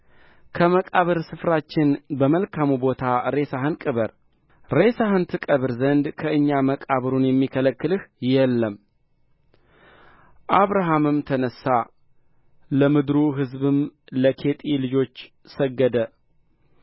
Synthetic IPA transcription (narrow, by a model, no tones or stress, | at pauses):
kʰəməkʼaβɨɾsɨfɾat͡ʃːɪnbəməlkʰamubo̞t̪ʰaɾe̞saɦɨnkʼɨβəɾ | ɾe̞sahɨnt̪ʰɨkʼəβɨɾzənd̪kʰəɨɲːaməkʼaβɨɾunjɛmːikʰələkːɨlɨhjɛlːəm | ʔaβɾaɦamɨmt̪ʰənəsːa | ləmɨd̪ɾuɦɨzbɨmləkʰe̞t̪ʼilɨd͡ʒo̞t͡ʃː | səɡːəd̪ə